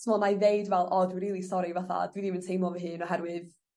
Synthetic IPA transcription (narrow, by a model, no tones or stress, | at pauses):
tʰmɔnajðejdvɛlˠʔɔdwiɾiːlˠistɔɾivaθa̰dwidiməntʰejmɔvəɦɨːnɔɦɛɾwɨð